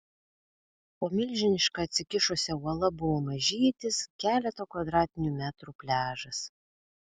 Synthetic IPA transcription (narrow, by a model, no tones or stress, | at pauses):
poːmʲɪlʲˑʒʲɪnʲɪʃkɑːt̪ʲsʲɪkʲɪʃʊsʲɛuɔlˠɐbʊʋoːmɐʒʲiːt̪ʲɪskʲæːlʲɛt̪oːkʋɐd̪ɾɑːt̪ʲɪnʲuːmʲæːt̪ɾuːpʲlʲæːʒɐs